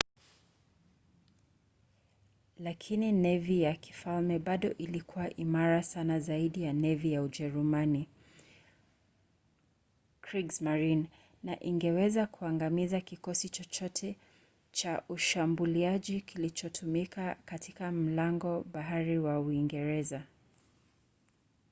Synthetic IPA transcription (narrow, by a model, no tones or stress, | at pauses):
lakʰininɛvijaki̥falmɛɓaɗɔʔilikuwaʔimaɾasanazaiɗijanɛvijaud͡ʒɛɾumani | kɹiɡzmaɹin | naʔiŋɡɛwɛzakuaŋɡamizakikɔsit͡ʃɔt͡ʃɔtʰɛ | t͡ʃaʔuʃambuliaʄikʰilit͡ʃɔtʰumikakatʰikam̩laŋɡɔɓaɦaɾiwauiŋɡɛɾɛza